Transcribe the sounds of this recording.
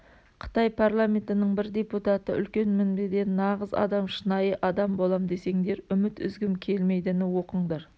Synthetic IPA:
qʰə̥t̪ɑjpʰarlˠamʲe̞nt̪ɪnəɴbɪɾd̪e̞put̪at̪ə̰ʔʏ̰lkʲe̞nmɪnbed̪e̞nːɑʁəzɑ̰d̪ɑmʃənɑjəʔɑd̪ɑmbo̞lˠɑmd̪e̞se̞ŋd̪e̞ɾʏmɪt̪ʏ̰zɡʲɪmkʲʰe̞lme̞jd̪ɪnɪwo̞qəɴd̪ɑɾ

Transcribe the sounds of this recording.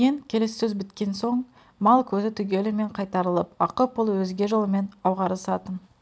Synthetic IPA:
eŋkʲʰe̞le̞sːɵzbɪt̪kʲe̞nso̞ɴ | mɑlˠkʲʰɵzɪt̪ʰʏɡʲe̞lɪme̞ɴqʰɑjt̪ɑɾəlˠəpɑqəpʊlˠwɵzɡʲe̞ʒolˠəme̞nɑwʁɑɾəsɑt̪ən

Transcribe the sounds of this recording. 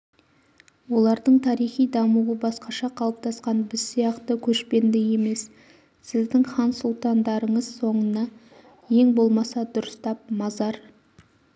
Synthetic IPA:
wo̞lˠɑɾd̪əɴt̪ʰɑɾijχijd̪ɑmuwəbɑsqɑʃɑqʰɑlˠəp̚t̪ʰɑsqɑnbɪzsijɑqt̪əkʲʰɵʃpe̞nd̪ɪje̞me̞s | sɪzd̪ɪŋχɑnsulˠt̪ɑnd̪ɑɾəɴəz̥so̞ɴənɑ | je̞ŋbo̞lˠmɑsɑd̪ʊɾəst̪ɑp̚mɑzɑɾ

